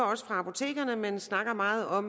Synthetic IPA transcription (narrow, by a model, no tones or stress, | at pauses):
ɐɒ̽sə̥fʁɑ̈ɑ̈pʰo̝t͡sʰe̝̰ːɡ̥ɐnəmensnɑ̈ɡ̥ɐmɑ̈ːð̞̩ˠɒ̽m